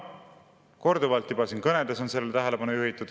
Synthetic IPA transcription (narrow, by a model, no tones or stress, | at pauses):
ko̞ɾd̪uvɑlt̪ːˑibɑsinkɤne̞d̪̥esonse̞lːeet̪æɦele̞bɑnujuɦit̪ːˑud̪̥